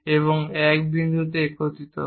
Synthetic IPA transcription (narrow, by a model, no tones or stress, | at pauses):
eβoŋɛkd̪ind͡ʒot̪ekʰot̪it̪o̰